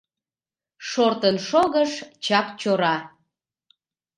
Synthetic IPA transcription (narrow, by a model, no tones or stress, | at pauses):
ʃort̪ənʃoɣəʃt͡ɕɑkt͡ɕoɾɑ